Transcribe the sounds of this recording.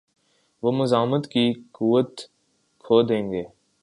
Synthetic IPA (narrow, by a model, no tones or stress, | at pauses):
ʋoːmʊzaːɦmət̪kiːkuːʋət̪ | kʰoːd̪ẽːŋɡeː